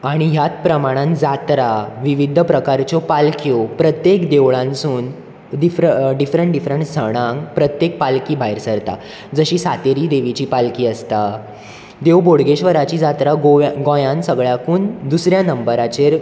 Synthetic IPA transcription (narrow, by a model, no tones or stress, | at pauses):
aɽ̃iɦjat̪̚pɾəmaɽ̃ãnd͡zat̪ɾaʋiʋid̪ʱəpɾəkaɾt͡ɕɔpalkjɔpɾət̪jekd̪eʋɭãnsuːn | ɖ̪ifɾəɖifɾəɳʈɖifɾəɳʈsəɽ̃ãŋɡpɾət̪jek̚palkiːbʱajɾsəɾt̪a̰ | d͡zəɕiːsat̪eɾiːd̪eʋit͡ɕiːpalkiːəst̪a | d̪eʋboɽɡeɕʋəɾat͡ɕiːd͡zat̪ɾaɡoɡõjãnsəɡɭjakuːnd̪usɾjanəmbəɾat͡ɕeɾ